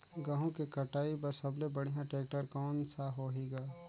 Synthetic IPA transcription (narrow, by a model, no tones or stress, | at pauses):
ɡaɦõkekɐʈaːipɐɾsɐblebɐɽ̤ijãʈeːk̚ʈəɾkɔːnsaɦoːɦeːɡaː